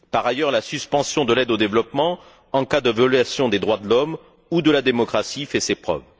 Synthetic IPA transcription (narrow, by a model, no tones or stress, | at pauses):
paʁajœʁlasyspɑ̃sjɔ̃d̪əlɛd̪od̪evlɔpmɑ̃ | ɑ̃kad̪əvjɔlɥasjɔ̃d̪ed̪ʁwad̪əlɔm | ud̪əlad̪emɔkχasifɛsepχœ̰v